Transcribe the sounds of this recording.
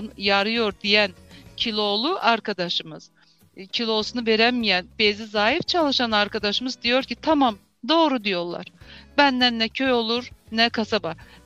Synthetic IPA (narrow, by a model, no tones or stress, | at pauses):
njaɾɯjo̞ɾd̪ijæncʰilʲˠo̞lˠuʔaɾkʰad̪aʃɯmɯz̥ | cʰilʲˠo̞sunuve̞ɾɛmijænb̥ezizaːɦift͡ʃʰalˠɯʃanaɾkad̪aʃɯmɯzd̪ijo̞ɾcit̪ʰamam | d̪o̞ːɾud̪ijo̞ɾlˠa̰ɾ̥bænd̪ænːɛcʰøjo̞lˠuɾnɛkʰasaba